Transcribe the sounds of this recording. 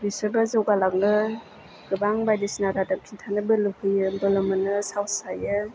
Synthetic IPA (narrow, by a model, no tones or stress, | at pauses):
ɾisɯɾbazɯwɡalak̚nɯ | ɡ̥ɯbaŋbajdisnaɾadap̚kʰintʰanɯbɯlɯhɯjɯbɯlɯmɯnɯsawsajɯ